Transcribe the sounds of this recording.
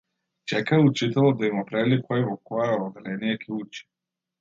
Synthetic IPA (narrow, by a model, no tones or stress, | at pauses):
t͡ʃɛkaut͡ʃit̪ɛlˠɔd̪̚d̪aimɔpɾavilikɔjɛvɔkɔjɛɔd̪ɛlɛnijɛkʰʲɛut͡ʃi̥